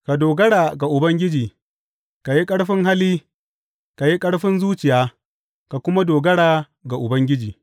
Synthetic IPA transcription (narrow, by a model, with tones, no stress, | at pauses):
ka˨doː˨ɡɐ˦ɽaː˨ɡa˨ʔʊ˨bɐ˦ŋɡʲɪ˦d͡ʒiː˨ | ka˨ji˦kʼɐ˦ɽɸɪ˦ŋɦa˦liː˦ | ka˨ji˦kʼɐ˦ɽɸɪ˦nzuː˦t͡ʃɪ˨jaː˦ | ka˨kʷʊ˦ma˦doː˨ɡɐ˦ɽaː˨ | ɡa˨ʔʊ˨bɐ˦ŋɡʲɪ˦d͡ʒiː˨